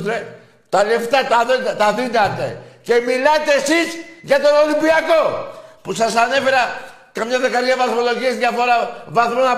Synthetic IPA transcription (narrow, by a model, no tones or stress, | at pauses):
ɾe | t̪aleft̪at̪aðot̪aðinat̪ḛcemilat̪esisʝat̪onolimpiakopusasane̞feɾa | kamɲaðekaɾɣavaθmoloʝiezʝafoɾavaθmona